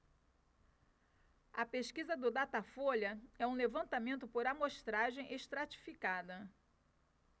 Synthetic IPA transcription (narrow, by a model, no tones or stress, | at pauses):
ɐpeʃkizɐd̪ʊd̪at̪afoʎɐɛũlevɐ̃nt̪amẽnt̪ʊpoɾamoʃt̪ɾaʒẽj̃ʔeʃt̪ɾat͡ʃi̥fikad̪ɐ